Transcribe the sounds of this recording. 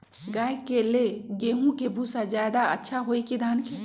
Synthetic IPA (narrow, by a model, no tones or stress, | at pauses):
ɡaːjkeleɡeːɦũkebʱusad͡ʒjaːd̪aətːʃʰaɦoikid̪ʱaːnki